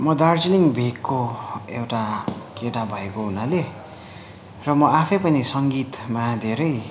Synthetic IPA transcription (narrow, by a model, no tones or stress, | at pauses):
mʌd̪art͡siliŋbʱekʰːoewʈakeʈabʱʌekoɦunale | rʌmʌapʰʌjpʌnisʌŋɡit̪mad̪ʱeɾʌj